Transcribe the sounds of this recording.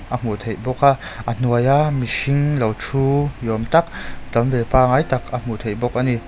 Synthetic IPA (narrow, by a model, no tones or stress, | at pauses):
ʔam̥ut̪ʰejbɔk̚aʔən̥uəjamisiŋlɐwt͡sʰujɔmt̪ɐk̚d̪ɐmvɛpaːŋajt̪ɐk̚am̥ut̪ʰejbɔk̚ʔani